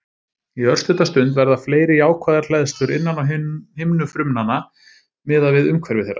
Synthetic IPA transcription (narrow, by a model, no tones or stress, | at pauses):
iœr̥st̪ʏt̪ast̪ʏnt̪̬vɛɾðafleːjɾɪaːwkʰvaːðaɾl̥ɛðst̪ʏɾɪnːanawhɪmnʏfɾʏmnana | mɪːðavɪðʏmkʰvɛɾvɪθejrːa